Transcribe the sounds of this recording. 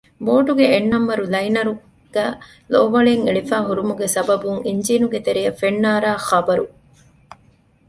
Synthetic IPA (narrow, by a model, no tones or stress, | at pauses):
boːʈuɡeːnːɐmːɐɾulɐjnɐɾu | ɡ̥æː | loːʋɐɭeŋeɭifæːɦuɾumuɡesɐbɐbuŋiɲd͡ʒiːnuɡet̪eɾijɐfenːaːɾaːxɐbɐɾu